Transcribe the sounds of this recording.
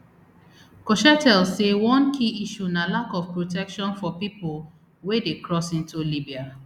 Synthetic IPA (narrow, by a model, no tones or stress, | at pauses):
kɔʃɛtɛlsewɔ̃nkʰiiʃunalakɔfpɹotɛkʃɔ̃nfɔpipol | wedekɹɔsĩntulibia